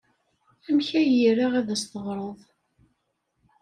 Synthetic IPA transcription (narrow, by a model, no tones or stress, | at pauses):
æmçæjiɾaʁiðæst̪əʁɾˤəðˤ